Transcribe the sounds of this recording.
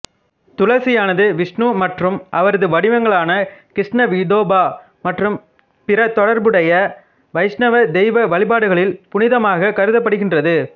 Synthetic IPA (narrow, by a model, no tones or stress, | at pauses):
t̪ʊlɐsɪjaːnɐðɯʋɪʂɳuːmɐʈrɯmʔɐʋɐɾɐðɯʋɐɽɪʋɐŋɡɐɭaːnɐkɾɪʂnɐʋɪd̪oːbaː | mɐʈrɯm | pɪɾɐt̪ɔɽɐɾbɯɽɐjɐ | ʋɐɪsnɐʋɐd̪ɛɪʋɐʋɐɭɪbaːɽɯɣɐɭɪlpʊnɪðɐmaːɣɐkɐɾɯðɐpːɐɽɯɣɪndrɐðɯ